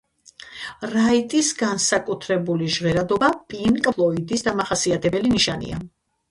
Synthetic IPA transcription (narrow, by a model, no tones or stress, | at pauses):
ɾait̪ʼisɡansakʼut̪ʰɾɛbuliʒʁɛɾad̪ɔbapʼinkʼlˠɔid̪isd̪amaχasiat̪ʰɛbɛliniʃanḭa